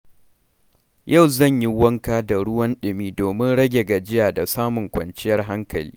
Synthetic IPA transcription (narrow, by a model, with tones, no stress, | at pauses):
ja˦˨wzɐ˦˨ɲji˦wɐ˦ŋkaː˦da˨ɽʊ˦wɐ˦nɗɪ˨miː˦doː˨mɪ˦nɽɐ˦ɡʲe˨ɡa˨d͡ʒɪ˦jaː˨da˨saː˦mʊ˨ŋkʷɐ̰˨nt͡ʃɪ˦jɐ˦rɦa˦ŋkɐ˨lḭː˦